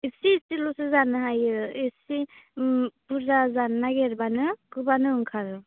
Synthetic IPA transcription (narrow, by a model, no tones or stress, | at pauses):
isiːsilɔsɯzanɯɦajɯisi | puɾzazannaɡeɾbanɯkɯbanɯɯŋkʰaɾɯ